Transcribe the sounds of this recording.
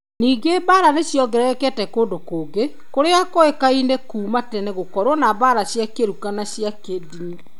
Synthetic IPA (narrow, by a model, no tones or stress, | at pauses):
niːɡebaːɾaneɕjɔɣɛɾɛɛkɛtɛkondokoːɡe | koɾeakoekainekuːmatɛneɣokɔɾwɔnaβaːɾaɕjakeɾukanaɕjakediɲi